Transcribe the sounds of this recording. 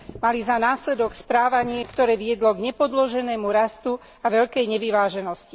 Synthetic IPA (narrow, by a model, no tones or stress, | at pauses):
malizanaːslɛd̪ɔkspɾaːʋaɲɪɛkt̪ɔɾɛːʋɪɛd̪lɔɡɲɛpɔd̪lɔʒɛnɛːmuɾast̪u | aʋɛʎkɛjɲɛʋiʋaːʒɛnɔsci̥